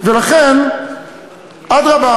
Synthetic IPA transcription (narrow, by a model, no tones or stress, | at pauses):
vɪlˠaχɛn | adɾaba